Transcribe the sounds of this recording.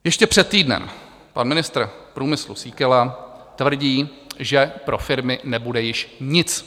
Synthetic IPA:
jɛʃcɛpr̥ɛt̪̚ːiːdnɛ̰m | panmɪnɪst̪rpɾuːmɪslṵsiːkɛlat̪vr̩ɟiː | ʒɛpɾʔofɪɾmɪnɛbudɛjɪʃɲɪt͡s

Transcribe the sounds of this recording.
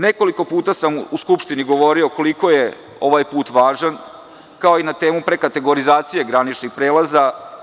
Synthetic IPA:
ne̞ko̞liko̞puːt̪asamuskupʃt̪iniɡo̞ʋo̞ɾio̞ko̞liko̞je̞ | o̞ʋajpuːt̪ʋaːʒan | kao̞inat̪e̞ːmupɾe̞kat̪e̞ɡo̞ɾizaːt̪sije̞ɡɾanit͡ʃnixpɾeːlaza

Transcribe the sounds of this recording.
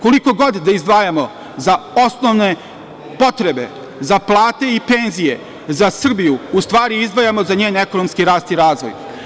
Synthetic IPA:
ko̞liko̞ɡo̞d̪d̪aizd̪ʋaːjamo̞ | zao̞snoʋne̞ | po̞t̪ɾe̞be̞̰ | zaplˠaːt̪e̞ipe̞nzije̞ | zasr̩bijuust̪ʋaːɾiizd̪ʋaːjamo̞zaɲeːne̞ko̞no̞mskiɾaːst̪iɾaːzʋo̞̰j

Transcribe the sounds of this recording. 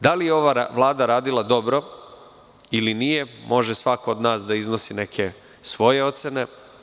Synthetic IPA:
d̪alijeo̞ʋaʋlˠaːd̪aɾaːd̪ilad̪o̞bɾo̞ | ilinije̞mo̞ʒe̞sʋakoːd̪naːsd̪aizno̞sine̞kʰe̞ | sʋo̞je̞o̞t̪se̞ne̞

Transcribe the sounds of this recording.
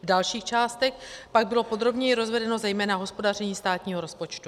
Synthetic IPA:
vdalʃiːxt͡ʃaːst̪ɛxpaɡ̚bɪlo̞po̞d̪ɾo̞bɲɛjɪɾo̞zvɛdɛno̞zɛjmɛːnaɦo̞spo̞dar̝ɛɲiːst̪aːt̪ɲiːɦo̞ɾo̞spo̞t͡ʃt̪u

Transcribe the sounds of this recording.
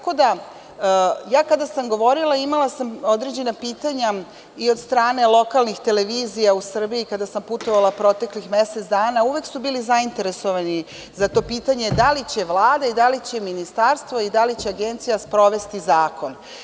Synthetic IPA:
ako̞d̪a | jaːkad̪asamɡo̞ʋo̞ɾilˠaimalˠasamod̪ɾe̞d͡ʑe̞napiːt̪aɲa | io̞d̪st̪ɾaːne̞lˠo̞kalˠnixt̪e̞le̞ʋiːzijausr̩biikad̪asamput̪o̞ʋalˠapɾo̞t̪e̞klixme̞set̪d̪aːnauʋeksubiːlizaint̪e̞ɾe̞so̞ʋani | zat̪o̞pit̪aɲed̪alit͡ɕe̞ʋlˠaːd̪aid̪alit͡ɕe̞minist̪aːɾst̪ʋo̞id̪alit͡ɕeaɡe̞nt̪sijaspɾo̞ʋe̞st̪izaːko̞n

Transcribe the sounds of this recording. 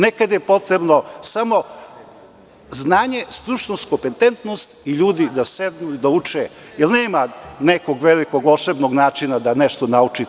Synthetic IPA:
nekad̪jepo̞t̪ɾebnosamo̞ | znaːɲe̞st̪ɾuʃnonskopent̪ent̪nost̪iʎuːd̪id̪ased̪nud̪aut͡ʂe | jelneːmanekoɡʋelikoɡoʃebnoɡnaːt͡ʃinad̪aneʃt̪onaut͡ʃi

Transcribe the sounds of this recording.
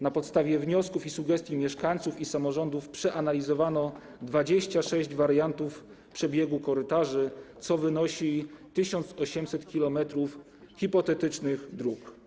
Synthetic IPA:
napɔt̪st̪avʲjɛvɲɔskufisuɡɛst̪ʲjimʲjɛʂkaɲ̃t̪sufisamɔʐɔnd̪ufpʂɛʔanalʲizɔvanɔ | d̪vad͡ʑeɕt͡ɕaʂɛʑd͡ʑvaɾjant̪uf | pʂɛbʲjeɡukɔɾɘt̪aʐɘt̪sɔvɘnɔɕit̪ɘɕɔnt̪sɔɕɛmsɛt̪kʲilɔmɛt̪ɾuf | xʲipɔt̪ɛt̪ɘt͡ʂnɘɣd̪ɾuk

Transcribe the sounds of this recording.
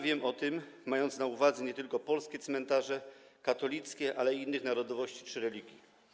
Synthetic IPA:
vʲjɛmɔt̪ɘmː | ajɔnt̪snauvad̪zɛɲɛt̪ɘlkɔpɔlskʲɛt̪smɛnt̪aʐɛkat̪ɔlʲit̪skʲɛʔalɛiinːɘxnaɾɔd̪ɔvɔɕt͡ɕi̥t͡ʂɘɾɛlʲiɡʲji

